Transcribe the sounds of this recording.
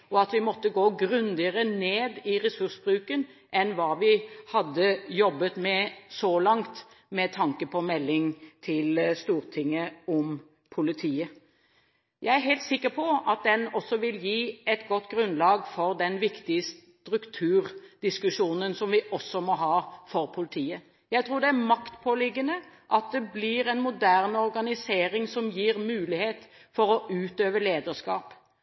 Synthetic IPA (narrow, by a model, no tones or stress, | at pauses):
ɔɑt̪ʋɪmɔt̪ːəɡoːɡɾʉnd̪ɪəɾəneːd̪ɪɾɛsʉʁsbɾʉːkən | ʔɛnʋɑːʋɪhɑd̪ːəjɔbːət̪mɛsɔlɑŋt̪ | mɛt̪ʰɑŋkəpʰɔmɛlːɪŋt̪ʰɪlst̪uːɾt̪ʰɪŋːəɔm | pʰʊlɪt̪ʰiːə | jʔæɪæɾɦɛɪlt̪sɪkːəɾpʰɔʔɑt̪̚d̪ɛnɔsːɔʋɪljiːɛt̪ɡɔt̪ːɡɾʉnlɑːɡfɔʁd̪ɛnʋɪkt̪ɪəstt̪ɾʉkt̪ʰʉːʁd̪̥ɪskʉʂuːnənsɔmʋɪʔɔsːɔmɔɦɑːfɔʁpʰʊlɪt̪ʰiːə | jæɪt̪ʰɾuːɾd̪ɛæɾmɑkt̪pʰoːlɪɡːənəʔɑt̪̚d̪ɛblɪɾɛnmʊd̪æʁnɔʁɡɑnɪseːɾɪŋsɔmjiːʁmʉːlɪheːt̪ | fɔɾɔʔʉːt̪øːʋəleːd̪əʂkɑːp